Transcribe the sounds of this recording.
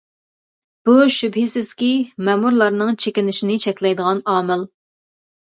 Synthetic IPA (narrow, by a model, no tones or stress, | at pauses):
b̥uʃybhɪsɪz̥kʲimɛmuɾlˠɑɾnɨŋt͡ʃʰekʲinɪʃinɪt͡ʃʰɛkʲlɛjd̪əʁɑnɑːmɪl